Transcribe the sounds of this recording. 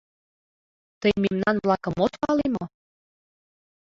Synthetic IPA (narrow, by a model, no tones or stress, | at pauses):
t̪əjmemnɑnβlɑkɤ̆mot̪pɑlemo